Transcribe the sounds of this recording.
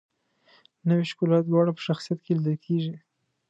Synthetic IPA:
nəwiʃkulɑt̪̚d̪wɑɽapə̥ʃaxsijat̪kelid̪əlkʰeʒi

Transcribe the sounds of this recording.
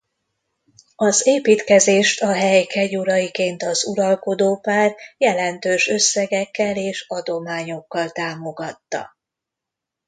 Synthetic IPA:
ɒzeːpiːt̪kɛzeːʃt̪ɒɦɛjkʰɛɟuɾɒjikeːnt̪ɒzuɾɒlko̞d̪oːpaːrjɛlɛnt̪øːʃø̞sːɛɡɛkːɛleːʃɒd̪o̞maːɲo̞kːɒlt̪aːmo̞ɡɒt̪ːɒ̰

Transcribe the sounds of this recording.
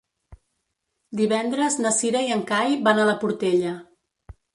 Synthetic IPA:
d̪iβɛnd̪ɾəznəsiɾəiəŋkajβanələpuɾt̪eʎə

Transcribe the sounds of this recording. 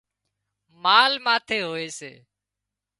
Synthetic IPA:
maːlmaːt̪ʰeːɦoːeːsḛː

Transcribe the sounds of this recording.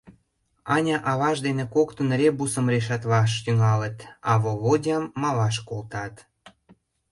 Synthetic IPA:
ɑnʲɑʔɑβɑʃd̪enekokt̪ə̆nɾebusə̆mreʃɑt̪βɑʃ̬t̪yŋɑlə̆t̪ɑβoβodʲɑmːɑlɑʃkolt̪ɑt̪

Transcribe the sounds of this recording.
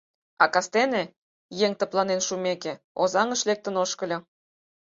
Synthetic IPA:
ɑkɑst̪enĕ | jeŋt̪ə̆plˠɑnenʃumeke | ozɑŋə̆ʃlek̚t̪ə̆noʃkə̆lʲɤ

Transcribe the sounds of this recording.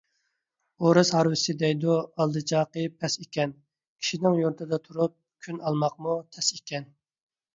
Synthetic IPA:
oɾɨshɑɾwɪsɪd̪ɛjd̪uɑlˠd̪ɨt͡ʃʰɑːqəpʰɛsekʲɛn | kʲʰi̥ʃinɪŋjoɾt̪ʰɨd̪ɑt̪ʰuɾup̚kʲʰynʔɑlˠmɑqmut̪ʰɛsekʲʰɛn

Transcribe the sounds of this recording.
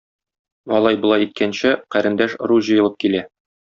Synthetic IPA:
ɒlˠɑjbŏlˠɑjit̪̚kænɕɘqæɾɘ̆nd̪æʃ̆ɾuʑɤ̆jɤ̆lˠɤp̚kilæ

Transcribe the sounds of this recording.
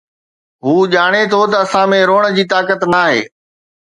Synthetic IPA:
ɦuːʄaːɽ̃et̪ʰot̪ɐɐsãmẽɾoːɽ̃əd͡ʑiːt̪aːkət̪naːɦḛː

